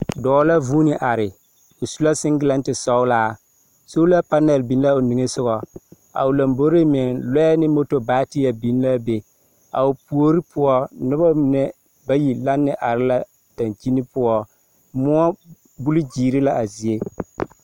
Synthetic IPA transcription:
dɔː˨˦la˦vuː˦nɪ˨ʔa˨ɾɪ˨ | ʊ˨su˦la˦sɪ˦ŋɡɪ˦la˦ntɪ˨sɔ˦ʊ˦laː˦˨ | so˦la˦pa˦nɛ˨lbi˨n˦la˦ʊ˨ni˨ŋe˦sʊ˦ɣɔ˨ | a̰˨ʊ˨la˨mbo˦ɾe˦mɪ˨nlɛ˦ɛ˦nɪ˦mo˦to˨baː˦ti˦ja˨bi˨n˦la˦be˨ | a̰˨ʊ˨pu˨o˦ɾi˦pʊ˦ɔ˦nʊ˦ba˦mɪ˨nɛ˦ | ba˦ji˨la˦nːɪ˦ʔa˨ɾɪ˦la˦ | d̥a˨nt͡ʃi˦ni˦pʊ˦ɔ˦ | mʊ˦ɔ˦ | bu˦lɪ˦d͡ʒiː˨ɾɪ˦la˦ʔa˨zi˨e˦

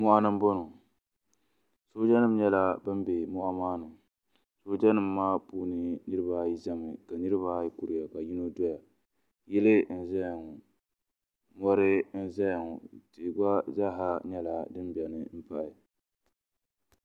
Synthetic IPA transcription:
mʊ˦ʔa˦nɨ˦m˦bʊ˦nʊ˨ | soː˦d͡ʒa˦nɨ˦m˦ɲɛ˦la˦bɨ˦mbe˨mʊ˦ʔa˦maː˦nɨ˨ | so˦d͡ʒa˦nɨ˨mːaː˦puː˦nɨ˨nɨ˦ɾɨ˦ba˦ji˦za˦mɨ˨ka˨nɨ˦ɾɨ˦βa˦ji˦ku˦ɾɪ˨ja˨ka˨ji˦no˦dɔ˦ja˨ | jɛ˦lɨ˦n̩˦za˦jŋʊ˨ | mɔ˦ɾɨ˦n̩˦za˦jŋʊ˨tɨ˨ɡ͡ba˦za˦ɦa˦ɲɛ˦la˨dɨ˦mbɛ˨nɨ˨m̩˦pa˦ʔɪ˨

